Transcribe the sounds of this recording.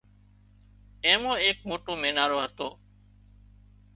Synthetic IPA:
ẽːmõːeːk̚moːʈoːmẽːnaːɾoːɦət̪oː

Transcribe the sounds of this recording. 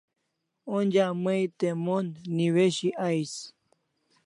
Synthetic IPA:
ond͡ʒaməjt̪emonːiweɕiʔajs

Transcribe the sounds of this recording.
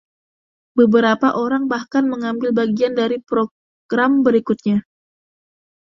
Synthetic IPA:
bəbəɾapaʔoɾaŋbahkanməŋambɪlbaɡiandaɾipɾo | ɡ̥ɾambəɾikʊt̪̚ɲa

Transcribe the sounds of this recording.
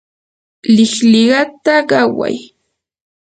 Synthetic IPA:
lɪχlɪɢɑt̪aɢɑwa̰j

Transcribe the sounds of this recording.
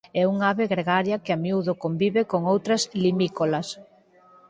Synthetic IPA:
ɛuŋaβeɣɾeɣaɾjɐkɪamjuðokombiβekoŋowt̪ɾɐzlimikolɐs

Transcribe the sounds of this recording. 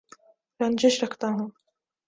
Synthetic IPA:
ɾɐ̃nd͡ʒɪʃɾɐkʰt̪aɦũː

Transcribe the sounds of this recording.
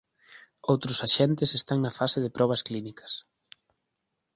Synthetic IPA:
owt̪ɾʊsaʃɛnt̪ɪsest̪aŋnɐfasɪðɪpɾɔβ̞ɐsklinikɐ̥s

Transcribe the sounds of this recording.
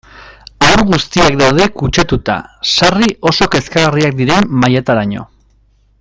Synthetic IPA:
awɾɣust̪iakd̪awð̞e̞kut͡ʃat̪ut̪a̰sariʔo̞so̞ke̞skaɣariak̚d̪iɾe̞mmajet̪aɾaɲo̞̰

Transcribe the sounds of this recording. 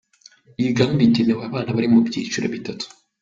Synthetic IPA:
iɡambiteneweaβaːnaβaɾimubɟḭːt͡ʃuɾa̰βitatu̥

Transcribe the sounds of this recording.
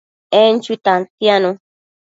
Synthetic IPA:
ɛn̩t͡ʃut̪ãnt̪janõ

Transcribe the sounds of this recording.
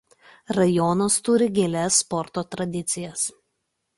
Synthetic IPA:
ɾɐjɔnɐst̪ʊɾʲɪɡʲeːlʲɛsːpɔɾt̪oːt̪ɾɐd̪ʲɪt̪sʲɪjɛs

